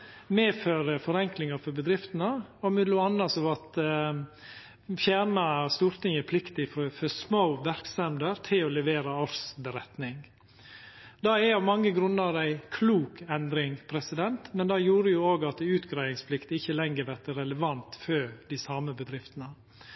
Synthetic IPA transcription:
meːføːɾəfɔɾɛŋklɪŋɑfɔɾbəd̪ɾɪft̪ənəɔmɛd̪lʊɑnːɑsɔʋɑt̪ | fjæːɳɑst̪uːɾt̪ɪŋəpʰlɪkt̪ɪffɔsmoːʋæɾksɛmd̪əɾt̪ʰɪlɔlɛʋeːɾɑɔɾsbəɾɛt̪nɪŋ | d̪ɑɛjɑmɑŋːəɡɾʉnːəɾæɪkʰluːkɛnd̪ɾɪŋpʰɾɛsɪd̪ɛnt̪mɛnd̪ɑjuːɾəjʊoːɡɑt̪ʉːt̪ɡɾæɪɪŋspʰlɪkt̪ɪçːəlɛŋɡəʋæɾt̪əɾɛləʋɑnt̪føːd̪ɪsɑːməbəd̪ɾɪft̪ənə

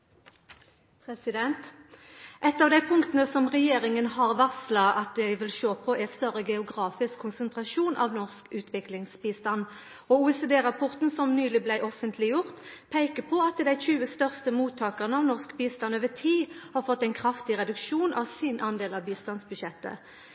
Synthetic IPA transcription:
pʰʁɛsɪd̪ɛnt̪ | ʔɛt̪ːɑːʋd̪æɪpʰʊŋkt̪ənəsɔmʁɛjeːʁɪŋənhɑʁʋɑslɑʔɑt̪̚d̪ɛɪʋɪlʃoːpʰɔʔæst̪œɾəɡɛʊɡʁɑːfɪskʰːʊnsənt̪ʁɑʃuːnʔɑ̰ʋnɔʁskʉːt̪ʰʋɪklɪŋsbiːst̪ɑnː | ɔuːɛsed̪eːɾɑpʰʊʁt̪n̩sɔmnyːlɪblæɪʔɔfənt̪ʰlɪjʊʁt̪pʰæɪkəpʰɔɑt̪d̪æɪçʉːəst̪œʁst̪əmuːt̪ʰːɑːkəʁənəɑʋnɔʁskbiːst̪ɑnøːʋət̪ʰiːhɑʁfɔt̪ːæɪnkʰʁɑft̪ɪʁɛd̪ʉkʃuːnʔɑ̰ʋsɪnʔɑnd̪eːlɑʋbiːst̪ɑnsbʉd̪ʃɛt̪ːə̰

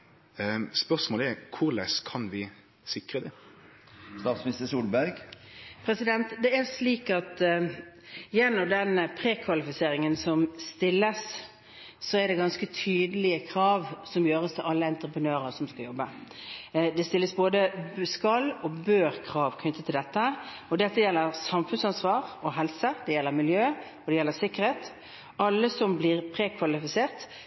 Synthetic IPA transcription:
spœsmoːlɛkʰʊʁlɛskʰɑnʋɪ | sɪkʁəd̪ɛ | st̪ɑːt̪smɪnɪst̪əsuːlbæɾɡpʰɾɛsɪd̪ɛnt̪d̪ɛæɾʂliːkɑt̪ | jɛnːɔmd̪ɛnpʰɾeːkʰʋɑlɪfɪseːɾɪŋənsɔmst̪ɪlːəsː | ɔɛɖɛɡɑnskət̪ʰyːd̪əlɪəkʰʁɑːʋsɔmjøːʁəst̪ʰɪlʔɑlːəɛnt̪ɾəpənøːʁəsɔmskɑjɔbːə | d̪ɛst̪ɪlːəsboːd̪əskɑlːɔbøːʁkʰʁɑːʋkʰnʏt̪ːət̪ʰɪld̪ɛt̪ːə | ɔd̪ɛt̪ːəjɛlːəʁsɑmfʉnsɑnsʋɑːʁɔɦɛlsəd̪ɛjɛlːəmɪljøː | ɔd̪ɛjɛlːəsɪkːəʁɾheːt̪ | ɑlːəsɔmblɪʁpʰʁeːkʰʋɑlɪfɪseːʁt̪

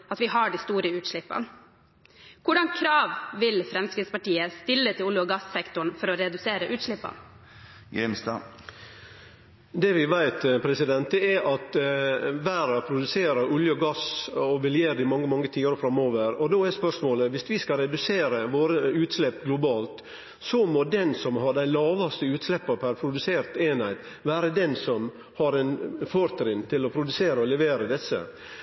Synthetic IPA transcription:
ɑt̪ʋɪɦɑɖɪst̪uːɾəʉːt̪ʂɭɪpːə̰n | kʰʊɖɑŋkʰɾɑːʋʋɪlfɾɛmskɾɪːt̪spɑʈiːəst̪ɪlːət̪ʰɪlulɔɡɑsːɛkt̪ʊɳfɔɾɔɾɛd̪ʉseːɾəʔʉːt̪ʂɭɪpːə̰n | ɡɾɪmst̪ɑ | d̪ɛʋɪʋæɪt̪pʰɾɛsɪd̪ɛnt̪̚d̪ɛɛɾʔɑt̪ | ʋæːɾɑpʰɾʊd̪ʉseːɾəɾʔʊljəɔɡɑsɔʋɛljeːɾd̪ɪmɑŋːəmɑŋːət̪ʰiːəɾfɾɑmoːʋəɾɔd̪oːɛspœʂmoːləʋɪsʋɪskɑɾɛd̪ʉseːɾəʋoːɾəʉːt̪slɛpːɡlʊbɑːlt̪ | sɔmɔd̪ɛnsɔmɦɑɖæɪlɑːʋɑst̪əʉːt̪slɛpːɑpʰæɾpʰɾʊd̪ʉseːɾt̪eːnhæɪt̪ | ʋæːɾəd̪ɛnsɔm | hɑɾɛnfoːɾt̪ʰɾɪnt̪ʰɪlɔpʰɾʊd̪ʉseːɾəɔlɛʋeːɾəd̪ɛsːə̰

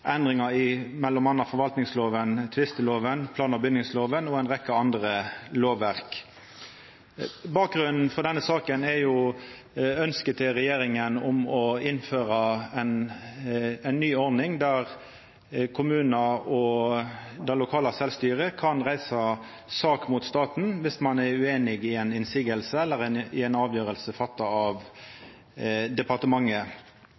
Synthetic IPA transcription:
ʔɛnd̪ʁɪŋɑɪmɛlːɔmɑnɑfɔɾʋɑlt̪nɪŋsloːʋənt̪ʰʋɪst̪əloːʋənpʰlɑːnɑbʏd̪nɪŋsloːʋənɔɛnʁɛkːəɑnd̪ʁəloːʋːæʁk | bɑːk̚ɡʁʉnn̩fɔʁd̪ɛnːəsɑːkənæɾjʊ | œnskət̪ʰɪʁɛjeːɾɪŋənɔmɔɪnføːɾɑɛn | ɛnːyːɔɾd̪nɪŋd̪æɾ | kʰʊmʉːnɑɔ | d̪ɛlʊkʰɑːlɑsɛlst̪yːʁəkʰɑnʁæɪsɑ | sɑːkmʊt̪st̪ɑːt̪n̩ʋɪsmɑnæɾʉeːnɪɡɪɛnɪnsɪɡəlsəɛlːəɾɛɪɛnɑːʋjøːɾəlsəfɑt̪ːɑɑʋ | d̪ɛpɑʁt̪əmɑŋːə

